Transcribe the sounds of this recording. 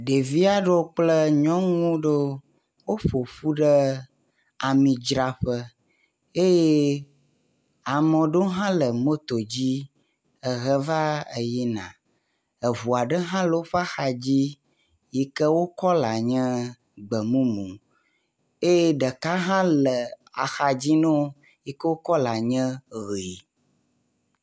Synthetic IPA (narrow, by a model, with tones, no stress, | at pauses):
ɖe˨vi˦a˦˨ɖo˦o˦k͡plə˦ɲɔ̃˦ŋũ˦ɖo˦ | wo˦ɸo˨ɸu˦ɖə˦ | a˨mĩ˨d͡ʒɾa˨ɸə˦ | e˦je˦ | a˨mɔ̃˨ɖo˦ɦã˦lə˨mo˦t̪o˨d͡ʑi˦ | ə˨ɣə˦va˦ə˨ji˦nã̰˨ | ə˨βu˨a˨ɖə˦ɦã˦lə˨wo˦ɸa˦xa˨d͡ʑi˦ | ji˦kə˦wo˦kɔ˦la˨ɲɛ̃˦ | ɡ͡bə˨mũ˦mũ˨ | e˦je˦ɖə˨ka˦ɦã˦lə˨a̰˨xa˨d͡ʑi˦nɛ̃˦o˦ | ji˦kə˦wo˦kɔ˦la˨ɲɛ̃˦ɣe˨i˨